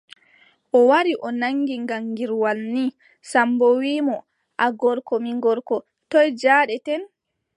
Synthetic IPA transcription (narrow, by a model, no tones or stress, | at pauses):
ʔɔwaɾiʔɔnaŋɡiŋɡaŋɡiɾwalni | sambɔwiːmɔ | ʔaɡɔɾkɔmiŋɡɔɾkɔ | tɔjd͡ʒaɗɛtɛn